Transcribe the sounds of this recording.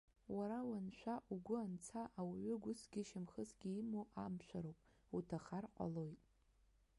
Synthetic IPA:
waɾawanʃʷᶣaʔuɡʷʊant͡sʰaʔawaɥʏɡʷʊsɡʲɪʃɪmχəsɡʲiimoʔamʃʷᶣaɾowpʼ | utʰaχarqʷʼa̰lo̞jtʼ

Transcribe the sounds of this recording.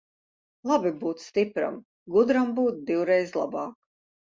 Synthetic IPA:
lˠabibuːt̪sst̪ipɾa̰m | ɡud̪ɾambuːt̪̚d̪iwɾɛjzlˠa̰bɑːk

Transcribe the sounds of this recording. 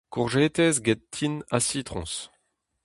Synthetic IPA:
kuʁʒeːt̪ɛzɡɛt̪ʰːinasit̪ʁɔ̰̃s

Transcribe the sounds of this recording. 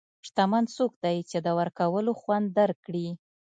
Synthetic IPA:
ʂt̪amansok̚d̪ajt͡ʃed̪əwəɾkawəloxwand̪ːaɾkːɽi

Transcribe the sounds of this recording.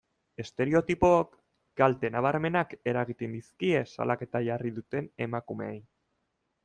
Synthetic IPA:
e̞st̪e̞ɾeo̞t̪ipo̞ak | ɡ̥alt̪e̞naβ̞aɾme̞nake̞ɾaɣ̞it̪end̪iskie̞sa̰lʔake̞t̪aʝariðut̪e̞ne̞makume̞̰ej

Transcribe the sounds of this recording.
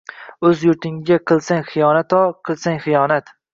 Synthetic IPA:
ɵzjʊɾt̪ʰɪŋɡʲaqʰɨlˠsaŋχɨjɒnat̪ɒqʰɨlˠsaŋχɨjɒnat̪

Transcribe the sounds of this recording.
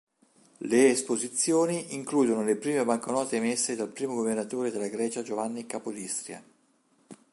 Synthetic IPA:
leːspozit̪sːjoːniʔiŋkluːd̪onolepɾiːmebaŋkonɔːt̪emesːed̪alpɾiːmoɡovernat̪oːɾed̪elːaɡɾɛːt͡ʃad͡ʒovanːikapolist̪ɾia̰

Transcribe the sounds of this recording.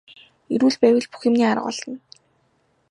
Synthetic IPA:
eɾuːɮpæːwʲə̆ɮpu̥xĕmniːaɾə̰̆qɔ̰ɮə̆n

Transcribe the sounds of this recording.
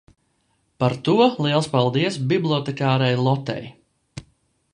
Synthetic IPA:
paɾt̪uɔlˠiɛlˠspalˠd̪iɛsbiblˠʲiɔt̪ɛkʲaːɾɛjlˠɔt̪ɛ̰j

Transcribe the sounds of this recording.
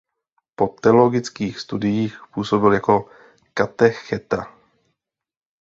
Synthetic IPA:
po̞t̪ɛlo̞ɡɪt͡skiːxst̪udɪjiːxpuːso̞bɪljako̞ | kat̪ɛxɛt̪a

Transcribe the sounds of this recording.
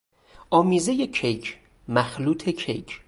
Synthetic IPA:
ʔɒːmiːze̞jecʰejcʰ | mæxluːt̪ʰekʰḛjcʰ

